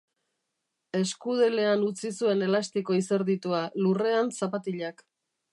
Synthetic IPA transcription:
e̞skuð̞ele̞anut͡sisue̞ne̞last̪iko̞ise̞ɾðit̪ualure̞ansapat̪iʎak

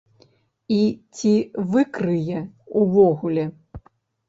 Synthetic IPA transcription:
it͡sʲivɨkɾɨjɛuvɔɣulʲɛ

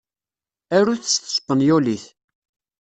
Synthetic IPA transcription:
æɾuθə̥st̪ːə̥sə̥pːənjuliθ

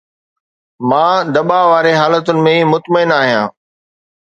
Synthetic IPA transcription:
mãːd̪ɐɓaʋaːɾeɦaːlət̪ʊnɪ̆mẽimʊt̪məɪnaːɦijãː

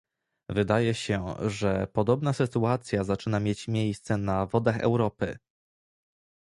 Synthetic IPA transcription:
vɘd̪ajɛɕɛʐɛpɔd̪ɔbnasɘt̪uat̪sʲjazat͡ʂɘnamʲjet͡ɕmʲjejst̪sɛnavɔd̪axɛ̰wɾɔpɘ̰

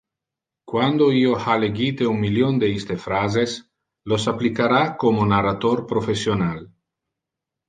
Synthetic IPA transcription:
kwand̪oiohaleɡit̪euŋmiljond̪eist̪efɾazes | losaplikaɾakomonarat̪oɾpɾofesjonal

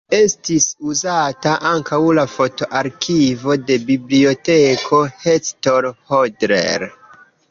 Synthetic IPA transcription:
e̞stisuzataʔaŋkʰawlafo̞to̞ʔaɾkʰivo̞de̞biblio̞tekʰo̞hestoɾhodɾḛɾ

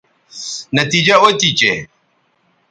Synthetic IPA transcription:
nɐt̪id͡ʒaot̪it͡ʃe

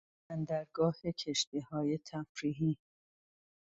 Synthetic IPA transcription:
ænd̪æɾɡɒːhe̞cʰeʃt̪ihɒːje̞t̪ʰæfɾiːɦiː

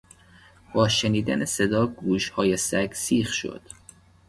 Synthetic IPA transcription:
bɒːʃeniːd̪æ̰nesed̪ɒːɡuːʃhɒːjesæɡsiːxʃo̰d̪̥

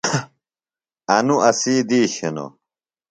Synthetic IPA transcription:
ɐnuʔɐsiːd̪iːɕeno̰

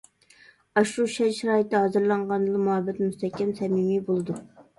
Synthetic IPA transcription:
ɑʃuʃɛnʃiɾɑːjit̪ːhɑzɨɾlˠɑɴʁɑnd̪ɨlˠɨmuɦɑbɛt̪must̪ʰɛkʲːɛmsɛmimibolˠɨd̪u

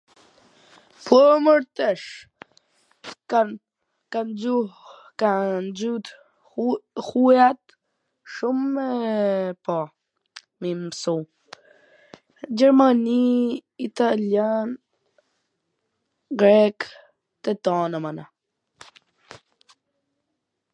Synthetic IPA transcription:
pɔməɾt̪ɛʃ | a | kand͡ʑuh | kand͡ʑut̪ | hujat̪ | ʃumːɛpa | mimsu | d͡ʑɛɾmaniit̪aljan | ɡɾɛk | t̪ɛt̪ɔnamana

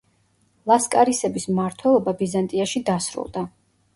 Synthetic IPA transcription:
lˠaskʼaɾisɛbismaɾt̪ʰwɛlˠɔbabizant̪ʼiaʃid̪asɾṵlˠd̪a

